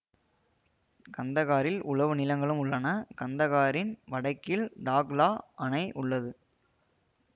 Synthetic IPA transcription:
kɐnd̪ɐɣaːɾɪlʔʊɭɐʋɯnɪlɐŋɡɐɭɯmʊɭːɐnɐkɐnd̪ɐɣaːɾɪnʋɐɽɐɪkːɪld̪aːɣlaːʔɐnɐɪʔʊɭːɐðɯ

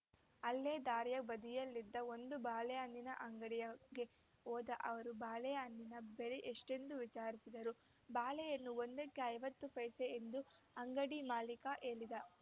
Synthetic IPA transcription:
ɐlːeːd̪aːɾjɐbɐd̪ijɐlːid̪ːɐo̞nd̪ubaːlɛjaːnd̪inɐʔɐŋɡɐɽijɐɡe̞ | oːd̪ɐʔɐʋɐɾubaːlɛjɐɐnd̪inɐbeliʔeʂʈe̞nd̪uʋit͡ʃaːɾisid̪ɐɾu | baːlɛjɐnːuo̞nd̪ɐkːeɐjʋɐt̪ːupɐjseːnd̪u | ɐŋɡɐɽimaːlikɐʔe̞ːɭid̪ɐ

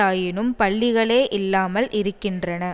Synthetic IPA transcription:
aːjɪnɯmpɐɭːɪɣɐɭeːʔɪlːaːmɐlʔɪɾɯkːɪndrɐnɐ

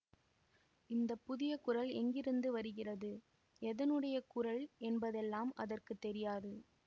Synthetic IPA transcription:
ɪnd̪ɐpːʊðɪjɐkʊrɐlɛŋɡɪɾɯnd̪ɯʋɐɾɯɣɪrɐðɯ | ɛðɐnɯɽɐjɐkʊrɐɭɛnbɐðɛlːaːmɐ̰ðɐrkɯt̪ːɛɾɪjaːðɯ

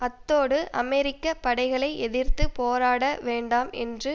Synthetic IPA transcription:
ɐt̪ːoːɽɯʔɐmɛɾɪkːɐpɐɽɐɪɣɐɭɐɪʔɛðɪrt̪ɯpoːɾaːɽɐʋeːɳɖaːmɛ̰ndrɯ

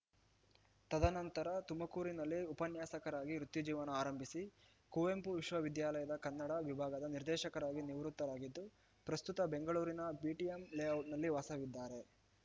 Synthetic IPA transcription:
t̪ɐd̪ʱɐnɐnt̪ɐɾɐt̪umɐkuːɾinɐlːiupɐnjaːsɐkɐɾaːɡiɾut̪ːjud͡ʒiːʋɐnɐːɾɐmbʱisi | kuːempuʋiʃʋɐʋid̪jaːlɐjɐd̪ɐkɐnːɐɽɐʋibʱaːɡɐd̪ɐniɾd̪ɛːʃɐkɐɾaːɡiniʋɾut̪ːɐlaːɡid̪ːu | pɾɐst̪ut̪ɐbe̞ŋɡɐɭuːɾinɐbiːʈijemleɐwʈnɐlːiʋaːsɐʋid̪ːaːɾe̞

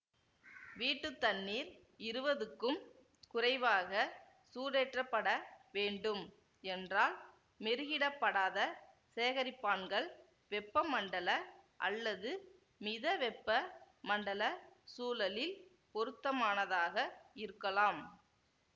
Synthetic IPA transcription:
ʋiːʈːɯt̪ːɐnːiːɾ | ɪɾɯʋɐðɯkːɯm | kʊrɐɪʋaːɣɐ | suːɾeːʈrɐpːɐɽɐʋeːɳɖɯm | ɛndraːl | mɪɾɯɣɪɽɐpːɐɽaːðɐ | seːɣɐɾɪpːaːnɡɐɭ | ʋɛpːɐmɐɳɖɐlɐʔɐ̰lːɐðɯ | mɪðɐʋɛpːɐ | mɐɳɖɐlɐsuːlɐlɪl | pɔɾɯt̪ːɐmaːnɐðaːɣɐɪɾɯkːɐlaːm

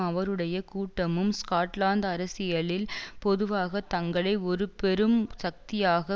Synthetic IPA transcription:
ɐʋɐɾɯɽɐjɐkuːʈːɐmɯmskaːʈlaːnd̪ɐɾɐsɪjɐɭɪlpɔðɯʋaːɣɐt̪ːɐŋɡɐɭɐɪɔɾɯpɛɾɯmsɐk̚t̪ɪjaːɣɐ

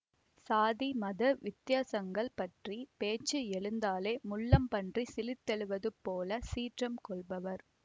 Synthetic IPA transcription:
saːðimɐðɐʋɪt̪jaːsɐŋɡɐɭpɐʈripeːt͡ʃːɯɛɭɯnd̪aːleːmʊɭːɐmpɐɳdrisɪlɪt̪ːɛɭɯʋɐðɯpoːlɐsiːʈrɐmkɔɭbɐʋɐɾ

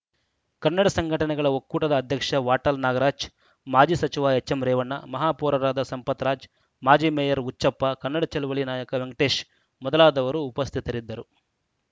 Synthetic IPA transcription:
kɐnːɐɽɐsɐŋɡʱɐʈɐnɛɡɐɭɐokːuːʈɐd̪ɐːd̪ʱjɐkʂɐʋaːʈɐlnaːɡɐɾaːd͡ʒ | maːd͡ʒiːsɐt͡ʃiʋaːet͡ʃːɐmɾɛːʋɐɳːɐ̰mɐɦaːpɔːɾɐɾaːd̪ɐsɐmpɐt̪ɾaːd͡ʒ | maːd͡ʒiːmejɐɾut͡ʃːʃɐpːɐkɐnːɐɽɐt͡ʃɐluʋɐɭinaːjɐkɐʋeŋɡɐʈeːʃ | mɔd̪ɐlaːd̪ɐʋɐɾuːpɐst̪ʰit̪ɐɾid̪ːɐɾu

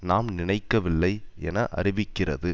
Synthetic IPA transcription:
naːmnɪɳɐɪkːɐʋɪlːɐɪɛ̰nɐʔɐ̰rɪʋɪkːɪrɐ̰ðɯ

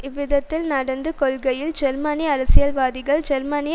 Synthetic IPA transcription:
ɪʋɪðɐt̪ːɪlnɐɽɐnd̪ɯkɔlɣɐjɪld͡ʒɛɾmaːnɪjɐɐɾɐsɪjɐlʋaːðɪɣɐɭd͡ʒɛɾmanɪj

